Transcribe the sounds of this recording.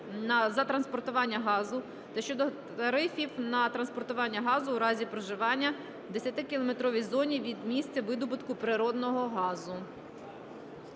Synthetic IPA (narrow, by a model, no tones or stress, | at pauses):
nɐzɐt̪ɾɐnspɔrt̪ʊʋɑnʲːɐɦɑzʊ | t̪ɛʃt͡ʃɔd̪ɔ | ɐɾɪfʲiwnɐt̪ɾɐnspɔrt̪ʊʋɑnʲːɐɦɑzʊwɾɑzʲipɾɔʒɪʋɑnʲːɐ | d̪esʲɐt̪ɪkʲɪlˠɔmet̪ɾɔʋʲijzɔnʲiʋʲid̪mʲisʲt͡sʲɐʋɪd̪ɔbʊt̪kʊpɾɪɾɔd̪nɔɦɔɦɑzʊ